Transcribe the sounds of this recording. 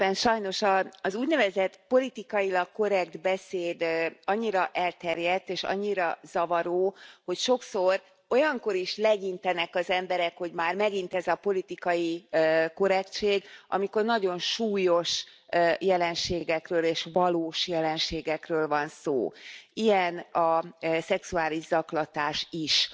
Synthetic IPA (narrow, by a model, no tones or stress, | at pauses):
ɛnʃɒjno̞ʃɒːzuːɟnɛvɛzɛt̪po̞lit̪ikɒjilɒkko̞ɾɛɡd̪bɛseːd̪ɒɲːiɾɒʔɛlt̪ɛrjɛt̪ːeːʃɒ̰ɲːiɾɒz̥ɒvɒɾoːho̞cʃo̞kso̞r | o̞jɒŋko̞ɾiʃlɛɡint̪ɛnɛkɒzɛmbɛɾɛkho̞ɟmaːrmɛɡint̪ɛzɒpo̞lit̪ikɒjiko̞ɾɛkt͡ʃeːɡɒ̰miko̞rnɒɟo̞nʃuːjo̞ʃjɛlɛnʃeːɡɛkrøːleːʃvɒloːʃjɛlɛnʃeːɡɛkrøːlvɒnso̰ːijɛnɒsɛksuaːliʒzɒklɒt̪aːʃiʃ